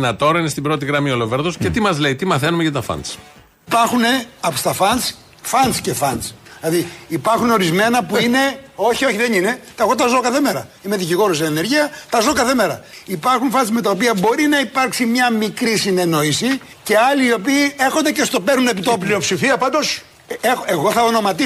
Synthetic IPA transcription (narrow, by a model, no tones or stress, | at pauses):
nɐt̪o̞ɾɐinest̪ibɾo̞t̪iɣɾɐmio̞lo̞veɾðoscet̪imɐzle̞it̪imɐθe̞numeʝɐt̪ɐfɐ̰ns | ipɐɾxune̞ɐpst̪ɐfɐns | fɐnsce̞fɐnslɐðiipɐɾxunoɾizme̞nɐpuine̞o̞çioçiðenine̞t̪ɐeɣot̪ɐzo̞kɐθemeɾɐ̰ | imeðiciɣo̞ɾos̬enene̞ɾʝiɐt̪ɐzo̞kɐθeme̞ɾɐ̰ipɐɾxunfɐnsme̞t̪ɐopiɐbo̞ɾinɐipɐɾksimɲɐmikɾisine̞no̞isi | ce̞ɐliːo̞piːe̞xo̞nd̪e̞ce̞st̪o̞peɾnune̞pit̪oplio̞psifiɐpɐnd̪os | exeɣo̞θɐono̞mɐt̪i